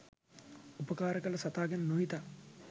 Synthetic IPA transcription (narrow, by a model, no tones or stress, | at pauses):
upəkaːɾəkələsat̪aːɡennoɦit̪a